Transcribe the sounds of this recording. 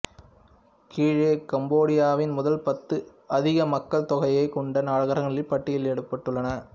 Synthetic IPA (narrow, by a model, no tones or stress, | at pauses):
kiːɻeːkɐmboːɽɪjaːʋɪnmʊðɐlpɐt̪ːɯ | ɐðɪɣɐmɐkːɐɭt̪ɔɣɐjɐɪkɔɳɖɐnaːɻɐɣɐɾɐŋɐɭɪpːɐʈːɪjɪlɛɽɯpːɐʈːɯɭːɐnɐ